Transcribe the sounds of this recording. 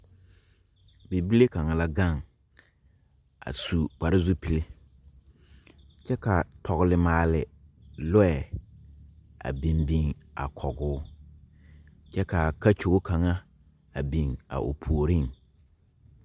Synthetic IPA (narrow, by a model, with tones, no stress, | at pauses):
be˨bi˦le˦ka˨ŋa˨la˦ɡa˦˨ŋ | a̰˨su˨k͡pa˨ɾɪ˦zu˦pi˨le˦ | t͡ʃɛ˦ka˨tʰɔ˨ɣɪ˨lɪ˨maː˨lɪ˨lʊ˦ɛ˨ | a̰˨bi˨mbi˨ŋa̰˨kʰɔ˨ɡʊː˦ | t͡ʃɛ˦ka˨ka˦t͡ʃo˨ɡo˦ka˨ŋa˦ | a˨bi˨ŋa̰˨ʔo̰˨pʰu˨o˨ɾi˦˨ŋ